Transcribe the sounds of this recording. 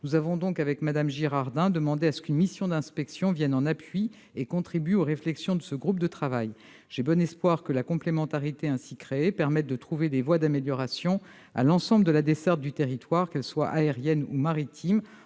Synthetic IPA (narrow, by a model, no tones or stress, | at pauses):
nuzavɔ̃d̪ɔ̃kavɛkmad̪amʒiʁaʁd̪ɛ̃d̪əmɑ̃d̪easə̥kynmisjɔ̃d̪ɛ̃spɛksjɔ̃vjɛnɑ̃napɥi | ekɔ̃t̪χibyoʁeflɛksjɔ̃d̪əsəɡʁup̚d̪ət̪χavaj | ʒ̥ebɔnɛspwaʁkəlakɔ̃plemɑ̃t̪aʁit̪eɛ̃sikχeːpɛʁmɛt̪̚d̪ət̪χuvelevwad̪ameljɔʁasjɔ̃ | a̰lɑ̃sɑ̃bləd̪əlad̪esɛʁt̪̚d̪yt̪eʁit̪waʁkɛlswaʔaeʁjɛnumaʁit̪ʰim